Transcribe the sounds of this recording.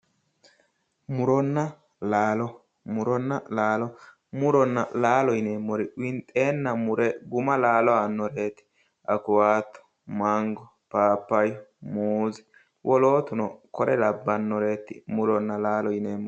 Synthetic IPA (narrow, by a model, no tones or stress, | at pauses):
mʊɾɔnːɐ | laːlɔ | mʊɾɔnːɐlaːlɔ | mʊɾɔnːɐ̰laːlɔjɪneːmːɔɾɪwɪnt̪ʼe̞ːnːɐmʊɾɛɡʊmɐlaːlɔanːɔɾe̞ːt̪ɪ̥ | ʔɐkʊwaːt̪ːɔ̥ | maŋɡɔ | paːpːɐjɔmuːzɪ̥ | wʔɔloːt̪ʊnɔkɔɾɛlɐbːɐnːɔɾe̞ːt̪ːɪ̰mʊɾɔnːɐlaːlɔɪneːmːɔ